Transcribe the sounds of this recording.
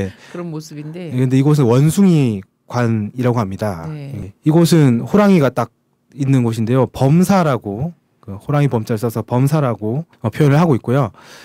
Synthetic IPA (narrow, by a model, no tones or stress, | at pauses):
e | kɯnde̞iɡʌs̬ʰɯnwʌnsʰuŋi | kwaniɾaɡoɦamɲidajeiɡʌsʰɯnhoɾaŋiɡat͈ak̚ | inːɯnɡʌɕ̬ʰinde̞jopʌmsʰaɾaɡo | kɯhoɾaŋipʌmt͡ɕ͈aɭs͈ʌsʰʌpʌmsʰaɾaɡo | ʌpʰjojʌnɯɭɦaɡoit̚k͈ojo